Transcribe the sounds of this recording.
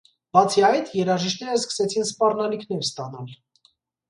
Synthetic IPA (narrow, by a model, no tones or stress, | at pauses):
bɑt͡sʰiɑjt̪jɛɾɑʒiʃt̪nɛɾəskə̥sɛt͡sʰinspɑrnɑlikʰn̪ɛɾst̪ɑnɑl